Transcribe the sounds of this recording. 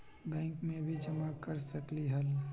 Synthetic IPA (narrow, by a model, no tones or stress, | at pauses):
bɛ̃ːŋkmẽbʱid͡ʒəmakəɾsəkliɦəl